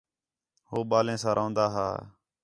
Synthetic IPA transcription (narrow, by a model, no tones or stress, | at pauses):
hoːɓaːlẽːsãːɾʔõːnd̪aːɦa̰ː